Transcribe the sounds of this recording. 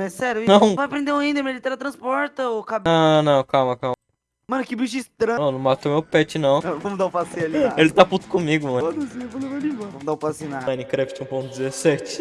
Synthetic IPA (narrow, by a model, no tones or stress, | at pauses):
mɛsɛɾjʊnɐ̃w̃vajɐpɾẽnd̪ẽw̃aĩd̪ɐmed͡ʒit̪ɛɾɐt̪ɾɐ̃spɔɾt̪ɐokabɐ̃nɐ̃w̃kamɐkamɐ | mɐ̃nʊkɪbiʃist̪ɾɐ̃nɐ̃nɐ̃w̃mat̪omewpɛt͡ʃɪnɐ̃w̃nɐ̃vɐ̃mʊd̪aũpasĩɐlielɪt̪aput̪ʊ̥kõmiɡʊm̃od̪ɐsĩfɐnɐved͡ʒĩvɐ̃vɐ̃mʊd̪aũpasĩnaajnĩkɾɛfit͡ʃũpõt̪ʊd͡ʒ̪ɛzesɛt͡ʃɪ̥